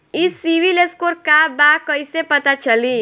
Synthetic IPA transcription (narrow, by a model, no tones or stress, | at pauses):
isiʋileskoɾkabakəisepət̪at͡ʃəli